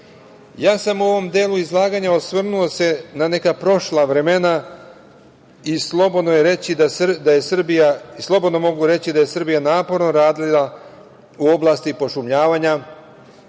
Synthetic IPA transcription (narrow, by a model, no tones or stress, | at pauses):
jaːsamuo̞ʋo̞md̪eːlˠuizlˠaːɡaɲaosʋrnulose̞nane̞kapɾo̞ʃlˠaʋɾe̞me̞na | islobod̪nojeɾet͡ɕid̪ad̪aje̞srbijaslˠo̞bo̞d̪no̞mo̞ɡuɾe̞t͡ɕid̪aje̞sr̩bijanaːpo̞ɾno̞ɾaːd̪lila | uo̞blˠaːst̪ipo̞ʃumʎaːʋaɲa